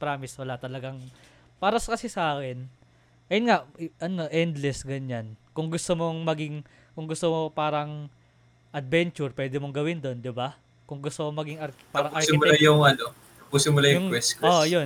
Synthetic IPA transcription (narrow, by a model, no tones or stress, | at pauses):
pɾaːmɪswɐlaʔt̪ɐlɐɡaŋ | paːɾɐsɐkɐsisaːkɛn | ʔɐjʊnŋaʔʔɐno̞ʔɛnd̪lɛsɡɐɲankʊŋɡʊst̪omoŋmɐɡɪŋ | kʊŋɡʊst̪omopaːɾɐŋ | ʔɐd̪̚bɛnt͡ʃʊɹpwɛːd̪ɪmoŋɡɐwɪnd̪o̞nd̪ɪba | kʊŋɡʊst̪omomɐɡɪŋɐɾkpaːɾɐŋʔɐɾksɪɪmʊlajʊŋɐno | ɐpusɪmʊlajʊjʊŋkwɛskɛojo